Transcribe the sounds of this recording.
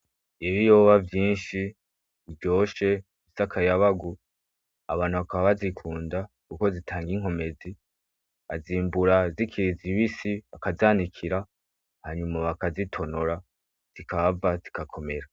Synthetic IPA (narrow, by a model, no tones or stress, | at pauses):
eβijo̞βavjiːnʃi | ivjo̞ːʃe̞ | misakʰajaβaɡu | a̰βaːnhuβakaβaβazikʰuːnda | kuko̞zitʰaːŋɡiŋ̥ɦo̞me̞zi | a̰ziːmbuɾazikʰiiziβisiβakazaːnikʰiɾa | haɲumaβakazitʰo̞noɾa | z̥ikʰaβavazikakʰo̞me̞ɾa